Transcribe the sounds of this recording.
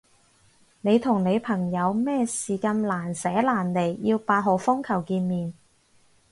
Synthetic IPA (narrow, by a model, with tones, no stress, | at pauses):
ne˨˧jt̪ʰʊ˨˩ŋne˨˧jpʰɐ˨˩ŋjɐ˨˧wmɛː˥siː˨kaː˧nlaː˨˩nsɛː˨˥laː˨˩nle˨˩jːiː˧wpaː˧t̚ɦɔ˨˩fʊ˥ŋkʰɐ˨˩wkiː˧nmiː˨n